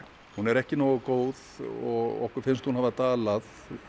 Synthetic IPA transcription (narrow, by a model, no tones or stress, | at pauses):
hunɛɾɛhcɪnoːɣakoːwðɔɣɔ̰hkʏɾfɪnst̪hunhavat̪aːlað